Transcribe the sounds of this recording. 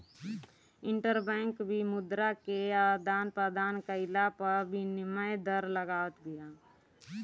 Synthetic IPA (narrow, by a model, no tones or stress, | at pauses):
ɪ̃ɳʈəɾbɛ̃ːŋkbʱimʊd̪ɾakead̪aːnpɾəd̪aːnkəɪlapəɾbʱinɪməjd̪əɾləɡaːwət̪ɡɪjaː